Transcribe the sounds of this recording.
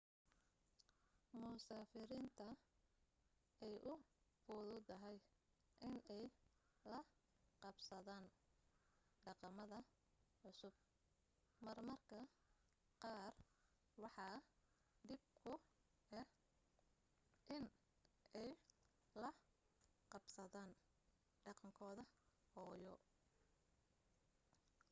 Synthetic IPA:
mʊsaːfɪɾiːnt̪ʰɐ | ɛjʔʊfʊðʊd̪ɐɦɛjʔɪnɛjlɐ | qɑbsɐðaːn | ɖɑqɑmɐðɐ | ʕʊsʊb̚ | mɐrmɐrkʰɐ | qɑːr | wɑħɑ | d̪ɪb̚kʰʊ | ɛ | ʔɪn | ɛj | lɐ | qɑbsɐðaːn | ɖɑqɑŋkʰɔːðɐ | hɔːjɔ

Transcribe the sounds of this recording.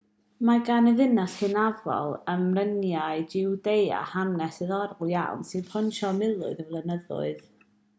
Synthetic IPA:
maɡanɛðɪnaɬhɨnavɔ̰lˠəmrənjaɨd͡ʒɪwdeja̰hanɛsɨðɔɾlˠja̰wnsɨnpʰɔnʃɔmɪlˠʊ̰ɨðəvlˠɛnəðʊ̰ɨð

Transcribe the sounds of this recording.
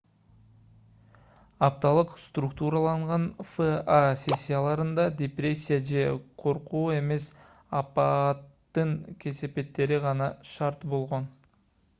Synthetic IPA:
ɑp̚t̪ɑlˠɯqst̪rukt̪uɾɑlˠɑɴʁɑnfəasʲe̞sʲːijalˠɑɾɯnd̪ɑd̪ʲeprʲe̞sʲːijad͡ʒe̞qʰo̞ɾquːe̞me̞s | ɑpɑt̪ːɯŋkʲʰe̞se̞pe̞t̪ːe̞ɾiʁɑnɑʃɑɾt̪bo̞lˠʁo̞n

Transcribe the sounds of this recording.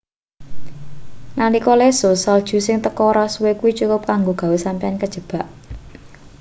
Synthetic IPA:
nalikɔlesosald̥ʒ̥ṳsɪŋt̪əkɔɾasuwekuwit͡ʃukʊp̚kaŋɡoɡ̥ä̤wesampiankəd̥ʒ̥ə̤b̥ä̤ʔ

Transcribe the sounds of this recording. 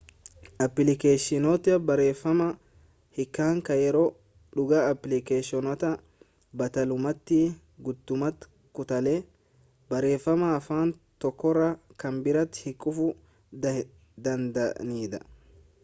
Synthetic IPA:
ʔɐpːɪlɪkeːʃɪnoːt̪ːɪɐbɐɾe̞ːfːɐmɐ | hɪkːaːŋkɐjɛɾoː | ᶑʊɡɐɐpːlɪkeːʃɔnɐt̪ɐ | bɐt̪ɐlʊmɐt̪ːɪ | ɡʊd̪ːʊmɐt̪ | kʊt̪ɐleː | bɐɾe̞ːfːɐmɐːfaːnt̪ɔkːɔrɐkɐmbɪɾɐt̪ːhɪkʼːʊfʊ | d̪ɐnd̪ɐniːd̪ɐ

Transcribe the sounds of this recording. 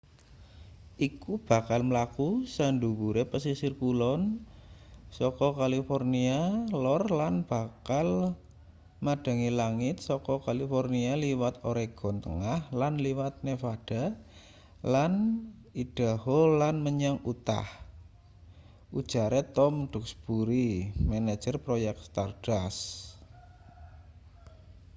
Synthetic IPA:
ʔikub̥a̤kalməlakusandubuɾepəsisirkulɔn | sɔkɔkalifornialɔrlanb̥a̤kal | mad̥a̤ŋilaŋɪt̪̚sɔkɔkalifɔrnialiwat̪oɾeɡ̥ɔ̤nt̪ə̰ŋahlanliwat̪̚nefaɖ̥a̤ | lan | id̥a̤holanməɲaŋut̪a̰h | ud̥ʒ̥a̤ɾet̪ɔmɖ̥ṳk̚sb̥uɾimanḁd͡ʒ̥ərpɾojɛk̚t̪st̪ard̥as

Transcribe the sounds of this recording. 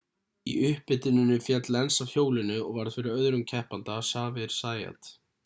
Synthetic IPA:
ḭʔʏhpɪt̪ɪnɪnːʏfjɛt̪lɛnsavhjoːwlɪnʏɔɣvaɾðfɪɾɪɾœðɾʏmcʰɛhpant̪asaːvɪɾ̥saːja̰t̪

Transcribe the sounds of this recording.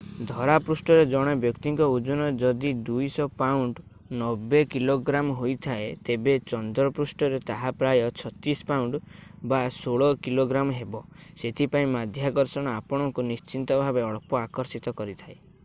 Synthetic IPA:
d̪ʱɔɾapɾusʈɔɾed͡ʒɔɽ̃ɔbjɔkt̪iŋkɔud͡ʒɔnɔd͡ʒɔd̪id̪ujsɔpawɳɖ | nɔbekiloɡɾamɔɦojt̪ʰaet̪ebet͡ʃɔnd̪ɔɾɔpɾusʈɔɾet̪aɦapɾajɔt͡ʃʰɔt̪ispawɳɖbasoɭɔkiloɡɾamɔɦebɔset̪ʰipaĩmad̪ʱjakɔɾsɔɽ̃ɔapɔɽ̃ɔŋkunist͡ʃint̪ɔbʱabeɔɭpɔakɔɾsit̪ɔkɔɾit̪ʰae

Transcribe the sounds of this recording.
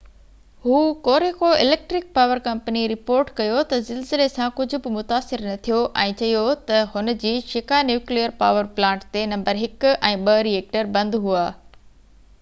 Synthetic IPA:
ɦuːkoːɾekʰoɪleːk̚ʈɾɪk̚paːʋəɾkɐ̃mpəniɾɪpoːɾʈkɐjot̪ɐzɪlzɪlesãkʊd͡ʑʱʊ̆bɪmʊt̪aːsɪɾnɐt̪ʰijoʔɛ̃ːt͡ɕɐijot̪ɐhʊnə̆d͡ʑiːʃɪkanjuːklijəɾpaːʋəɾplãːɳʈt̪enɐ̃mbəɾɦɪkɛ̃ːɓɐɾieːk̚ʈəɾbɐ̃nd̪ɦuaː

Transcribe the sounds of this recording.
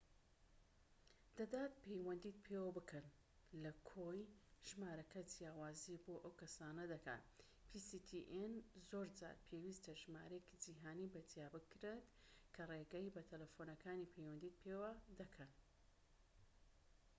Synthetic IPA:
d̪̥ɐd̪aːt̪̚pʰejwɐnd̪iːt̪̚pʰewɐbɨkʰɐn | lɐkʰojʒ̥maːɾɐkʰɐd͡zjaːwaːziboːʔɐwkʰɐsaːnɐd̪ɐkʰa̰ːt̪ | pʰisit̪ʰiʔenzoːɾd͡ʒa̰ːɾpʰewiːst̪ɐʒma̰ːɾekid͡ʒiɦaːnibɐd͡zjaːbɨkɾet̪ | kʰɐreɡɐibɐt̪ʰɐlɐfoːnɐkʰaːnipʰejwɐnd̪iːt̪̚pʰeːwɐd̪ɐkʰɐn

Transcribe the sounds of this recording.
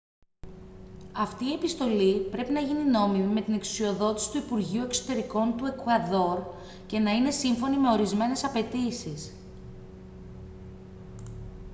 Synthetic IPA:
ɐft̪iːe̞pist̪o̞lipɾe̞pinɐʝinino̞mimime̞t̪ine̞ksu̥sio̞ðo̞t̪isi̥t̪uipuɾʝiue̞kso̞̥t̪e̞ɾiko̞nt̪ue̞kɐðo̞ɾ | ce̞nɐine̞siɱfo̞nime̞o̞ɾizme̞ne̞sɐpe̞t̪isis

